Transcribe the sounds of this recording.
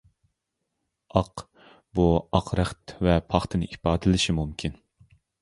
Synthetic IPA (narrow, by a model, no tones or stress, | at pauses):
ɑq | buɑqʰɾæχt̪vɛpʰɑχt̪ʰɨnɨʔipɑːd̪ɨlɪʃimumkʲʰin